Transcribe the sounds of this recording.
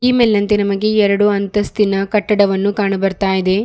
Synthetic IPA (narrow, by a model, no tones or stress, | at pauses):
iːmeːlnɐnt̪enɐmɐɡe̞ɛɾɐɽuɐnt̪ɐst̪inɐkɐʈːɐɽɐʋɐnːukaːɳɐbɐɾt̪aːjid̪e̞